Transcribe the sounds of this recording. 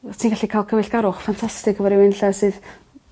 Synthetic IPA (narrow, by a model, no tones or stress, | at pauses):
tʰiːnɡaɬikʰajlˠkʰəvɪɬɡaɾʊχfantʰastɪkʰəvɔɾiwɪnɬasɨːð